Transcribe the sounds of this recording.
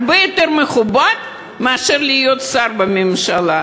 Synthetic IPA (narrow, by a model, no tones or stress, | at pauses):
bejo̞t̪e̞ɾmeχubad̪ | meaʃeʁliːjo̞t̪saɾbamemʃala